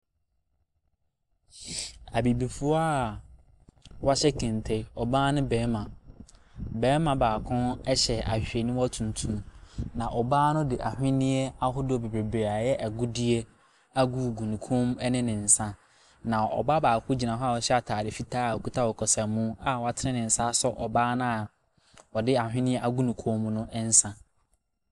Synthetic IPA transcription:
a˨bi˨bi˨fu˦a˦˨ | wa˦ɕɛ˦kʰɪ̃˨n˨tʰe˦ɔ˨baː˦nʊ̃˦bɛː˨˦mã˨ | bɛː˨˦mã˨baː˨kʰʊ̃˦nɛ˦ɕɛ˨a̰˨ɕᶣe˨nĩ˦ɔ˦tʰũ˨n˨tʰũ˦mnã˨ʔɔ˨baː˦nʊ̃˦dɪ˨ʔa˨hᶣɪ̃˦nɪ̃˦ɛ˦a˦ɦʊ˦dɪ˦ɔ˨be˨bɾe˨bɾa˨jɛ˦ʔɛ˨ɡʊ˦dɪ˦e˦ | a˦ɡu˦˨ɡu˨nũ˨kʰo˦m˦ɛ˦nɪ̃˦nɪ̃˨n̩˨sã˦ | nã˨ɔ̰˨ba˦baː˨kʰʊ˦d͡ʑi˨nã˨ɦɔ˦a˦˨ɔ˨ɕɛ˦a˨tʰaː˨dɪ˨fi˦tʰaː˦˨kʰu˦tʰa˦wɔ˨kʰɔ˨sɛ˨mũ˦a˦wɔ˨a˨tʰɪ˦ɾɪ̃˦nɪ̃˨n̩˨sa˦sɔ˦ʔɔ˨baː˦nʊ̃˦a˨ | ɔ˨dɪ˦a˨hᶣɪ̃˦nɪ̃˦ɛ˦ʔa˦ɡu˦nũ˨kʰo˦m˦nʊ̃˦ʔn̩˦sã˦

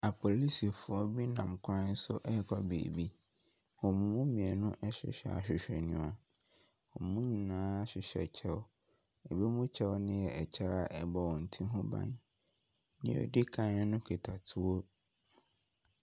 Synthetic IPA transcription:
a˨pʰo˨li˦si˨fʊ˦ɔ˦bi˦nã˨mkʷʰã˦sʊ˦ʔɛ˦kʰɔ˦bḛː˨bi˦ | wɔ̃˨m˦mũ˦mĩ˨ɛ˨nʊ̃˦ʔɛ˦ɕᶣɪ̰˨ɕᶣɛ̰˨a̰˨ɕᶣɪ˨ɕᶣɛ˨nũ˨a˨ | wɔ˨mũ˦ɲĩ˨nãː˦ɕᶣɪ˨ɕᶣɛ̰˨t͡ɕʰɛ˦wɔ˦ | ɛ˨be˦mũ˦t͡ɕʰɛ˦wɔ˦nɪ̃˦jɛ˨ɛ˨t͡ɕʰa˦a˦˨ʔɛ˦bɔ˨wɔ̃˨n̩˨tʰĩ˦ɦʊ̃˦bã̰˨n | nɪ̰̃˦˨ɔ̰˨di˦kʰã˦ɛ˦nʊ̃˦kʰe˨tʰa˨tʰʊ˦o˦

